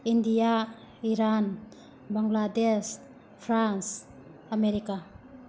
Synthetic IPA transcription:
indija | iɾan | baŋɡlades | pʰɾans | ameɾika

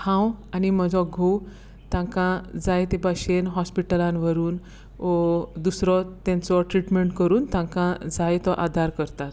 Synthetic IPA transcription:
hãwaniməd͡zʱɔɡʱo | t̪ãŋkãd͡zajt̪ebaɕenɦɔspiʈəlãnʋəɾuːn | ɔd̪usɾɔt̪ɛ̃nt͡sɔʈɾiʈmeɳʈkəɾuːnt̪ãkãd͡zajt̪ɔʔad̪ʱaɾkəɾt̪at̪

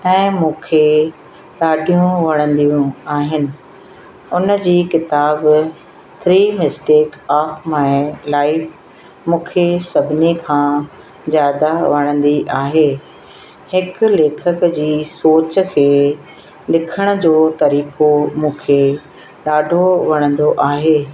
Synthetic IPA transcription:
ɛ̃ːmũːkʰe | ɗaːɖʱijũʋɐɽ̃ə̃nd̪iũaːɦɪnɪ̆ | ʊnəd͡ʑiːkɪt̪aːb | t̪ʰɾiːmɪsʈeːkaːfmɛ̃ːlaːɪf | mũːkʰesɐbʱɪnikʰãː | zjaːd̪aʋɐɽ̃ə̃nd̪iʔaːɦeː | hɪkʊ̆leːkʰəkd͡ʑiːsoːt͡ɕə̆kʰeː | lɪkʰəɽ̃əd͡ʑoːt̪ɐɾiːkomũːkʰe | ɗaːɖʱoʋɐɽ̃ə̃nd̪oʔaːɦeː

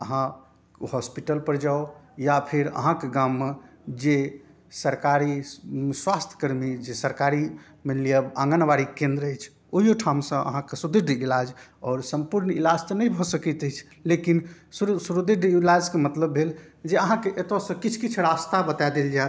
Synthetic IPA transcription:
əɦã | hɔspiʈəlpəɾd͡ʒaojapʰeɾə̰ɦãkeɡamːe | d͡ʒe | səɾkaɾiswast̪ʰə̥kəɾmid͡ʒesəɾkaɾi | menlijəbãŋɡənʋaɾikẽnd̪ɾəjt͡ʃʰ | oɦijoʈʰamsə̃ə̰ɦãkesud̪iɖ̪ilad͡ʒɔːɾsə̃mpuɾnilad͡ʒt̪ənəjbʱɔsəkɛt̪əjt͡ʃʰ | lekinssuɾud̪iɖilad͡ʒkemət̪ləbʱːeld͡ʒeəɦãkeʔet̪osə̃kit͡ʃʰkit͡ʃʰɾast̪abət̪aed̪eld͡ʒae

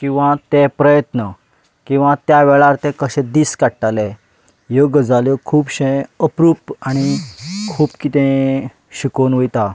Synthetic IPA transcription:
kĩw̃ʋãt̪epɾəjət̪nə | kĩw̃ʋãt̪jaʋɛɭaɾt̪ɛ̃kəɕɛ̃d̪iːskaɽʈalɛ | joɡəd͡zaljɔkʰuːbɕẽəpɾuːpaɽ̃ikʰuːpkit̪ɛ̃ | ɕikonʋəjt̪a

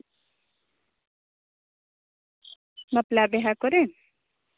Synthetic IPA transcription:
mɐplabeɦakɔɾen

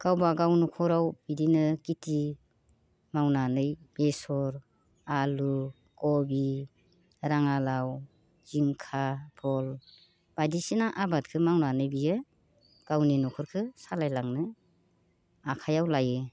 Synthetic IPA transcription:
ɡ̥awbaɡawnɔkʰɔɾawbidinɯkiti | mawnanɯjb̥esɔɾ | alu | kɔbi | ɾaŋalaw | z̥iŋkʰapʰɔl | b̥adisinaʔabat̚kʰɯmawnanɯjbijɯ | ɡ̥awninɔkʰɔɾkʰɯsalajlaŋnɯ | akʰajawlajɯ

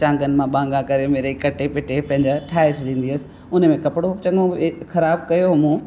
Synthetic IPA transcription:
t͡ɕãːŋɡənɪ̆mãɓãːŋɡãkɐɾemeːɾekɐʈepɪʈʰepɐ̃ɦɪ̃ɲd͡ʑaʈʰaːesɗĩːnd̪iəsɪ̥̆ | ʊnmẽkɐpɪɽot͡ɕɐ̃ŋɡoxɐɾaːbkɐjoɦɐmõ

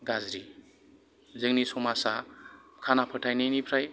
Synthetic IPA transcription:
ɡazɾi | zɯŋnisɔmasakʰanapʰəʈʰajninipʰɾaj

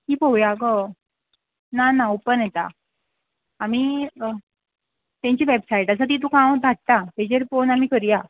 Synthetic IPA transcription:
ɦiːpowjaɡə | nanaupənɛt̪a̰ | miː | t̪jãɲt͡ɕiːʋebsaiʈasat̪̬it̪̬ũkãwd̪ʱaʈ̚t̪at̪ed͡ʑeɾfonamikəɾija

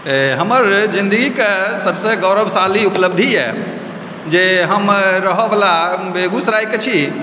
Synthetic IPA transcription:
ɦəməɾd͡ʒind̪əɡikesəbseɡɔwɾəbʱsaliupləb̚d̪ʱijɛ | d͡ʒeɦəmɾəɦɔbelabeɡusɾajket͡ʃʰi

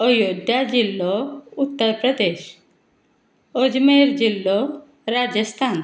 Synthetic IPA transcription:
ɔjod̪jad͡ʑilːɔut̪ːɔɾpɾɔd̪eʃ | od͡ʒmeɾd͡ʒilːɔ | ɾad͡ʒɔst̪ʰan

